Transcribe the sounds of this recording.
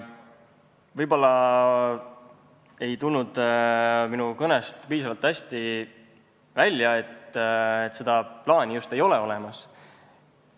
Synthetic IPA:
vɤjb̥o̞lːɑ | e̞jt̪ulnud̪̥ | minukɤnest̪piːsɑvɑlt̪ːæsʲt̪i | vælʲjɑe̞t̪ːet̪ːˑse̞d̪̥ɑplɑːnʲijust̪e̞jo̞leo̞lɛmɑs

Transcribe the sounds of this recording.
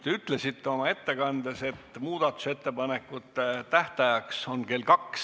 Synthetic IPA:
t̪e̞yt̪ˑle̞sit̪ːeo̞mɑe̞t̪ːe̞kɑnd̪̥e̞se̞t̪ːmuːd̪̥ɑt̪ːˑu̥se̞t̪ːe̞pɑne̞kːˑut̪ːˑet̪æht̪ɑjɑkso̞nke̞lkɑks

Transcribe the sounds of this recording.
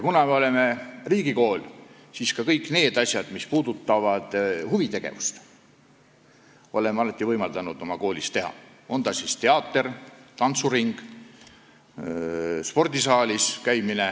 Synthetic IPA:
jkunɑme̞o̞le̞me̞riːɡiko̞ːl | siskɑkɤjkne̞ːd̪̥ɑsʲjɑd̪̥mispuːd̪̥ut̪ːˑɑvɑd̪̥huvit̪e̞ɡ̥e̞̰vust̪ | o̞le̞meɑlɑt̪ːˑivɤjmɑld̪ɑnud̪o̞mɑko̞ːlist̪e̞ɦɑ̰ | o̞nd̪ɑsist̪e̞ɑːt̪ːˑert̪ɑnt̪suriŋɡ̥ | spo̞rd̪isɑːlʲiskæjmine̞

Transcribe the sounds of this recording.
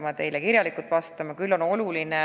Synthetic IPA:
mɑt̪e̞jlekirjɑlikˑult̪vɑst̪ɑmɑkylːo̞no̞luline

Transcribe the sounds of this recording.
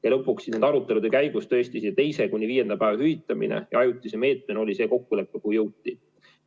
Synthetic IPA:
jɑlɤ̞pːˑuksined̪ɑɾut̪ːˑe̞lud̪ekæjɡ̥ust̪øːst̪isi̥t̪e̞jse̞kunʲːiviːe̞nd̪̥ɑpæːvɑhyvit̪ːˑɑmḭnḛjɑɑjut̪ʲːˑiseme̞ːt̪ˑmeno̞lʲise̞ːko̞kːule̞pːekuhjɤwt̪ːˑi

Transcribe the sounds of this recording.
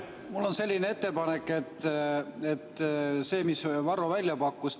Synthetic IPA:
mulːo̞nse̞lʲːinee̞t̪ːe̞pɑnekːˑe̞t̪ː | et̪ːˑse̞ːmisvɑɾovælʲjɑpɑkːus

